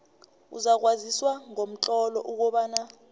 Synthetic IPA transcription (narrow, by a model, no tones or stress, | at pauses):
ṵzak̬waziswaŋom̩t͡ɬʼɔlɔʔuk̬ɔɓaːna